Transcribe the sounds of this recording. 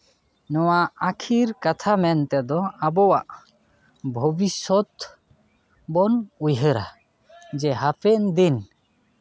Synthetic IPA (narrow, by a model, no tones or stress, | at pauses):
nɔwaakʰiɾkat̪ʰamɛnt̪ɛd̪ɔabɔwaʔ | bʱɔbisɔt̪ | bɔnujɦəɾa̰ | d͡ʒɛɦapɛʔnd̪in